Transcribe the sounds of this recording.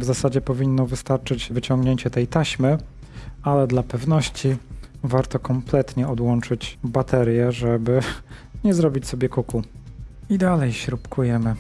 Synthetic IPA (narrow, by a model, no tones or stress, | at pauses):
vzasad͡ʑɛpɔvʲinːɔvɘst̪aɾt͡ʂɘd͡ʑvɘt͡ɕɔŋɡɲeɲt͡ɕɛt̪ɛjt̪aɕmɘ | alɛd̪lapɛvnɔɕt͡ɕi | vaɾt̪ɔkɔmplɛt̪ɲɛɔd̪wɔnt͡ʂɘd͡ʑbat̪ɛɾʲjɛʐɛbɘɲɛzɾɔbʲit͡ɕsɔbʲjɛkukuid̪alɛjɕɾupkʰujɛmɘ